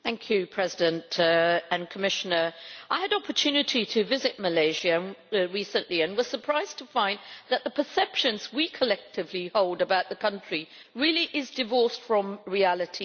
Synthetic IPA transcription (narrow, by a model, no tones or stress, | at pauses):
θæ̃ŋkʰjɨpʰɹ̥ɛzɪdɨ̃ntɨ̃nkʰəmɪʃɨnə˞ʔaɪɨɾɑpə˞tʰʉnɨɾʰiɾʰɨvɪzɨʔ̚məleɪʒɨɹisɨ̃nʔliɨ̃nwʌz̥sə˞pʰɹ̥aɪz̥tʰəfãɪ̃nðət̪̚ðəpʰə˞sɛpʃɨ̃nzwikʰəlɛk̚tɨvlihoʊlˠdəbaʊt̪̚ðəkʰʌ̃nt͡ʃɹ̥i | ɹɪlˠiʔɪzdɨvɔɹsfɹə̃mɹiælˠɨtʰi